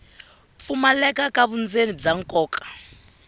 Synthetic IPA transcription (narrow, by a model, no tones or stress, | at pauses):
p̪fumalɛkʼakʼaβund͡zenib͡ʐaŋkʼɔːkʼḁ